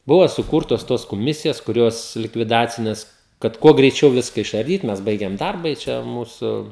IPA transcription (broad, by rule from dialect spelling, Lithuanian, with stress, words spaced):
ˈbʊʋoː sʊˈkuːrtoːs toːs koːˈmʲɪsʲɪjɛs kʊˈrʲoːs lʲɪkʋʲɪˈdɑːt͡sʲɪnʲeːs kɐt ˈkuɔ ɡrʲɛɪˈt͡ʃʲɛʊ ˈʋʲɪskɐ ɪʃɐrʲˈdʲiːt mʲɛs ˈbɐɪɡʲɛm ˈdɐrbɐ ɪ ˈt͡ʃʲɛ ˈmuːsʊ